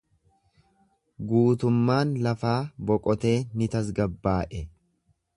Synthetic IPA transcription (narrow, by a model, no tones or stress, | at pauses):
ɡuːt̪ʊmːaːnlɐfaːbɔkʼɔt̪e̞ːnɪt̪ɐs̬ɡɐbːaːʔɛ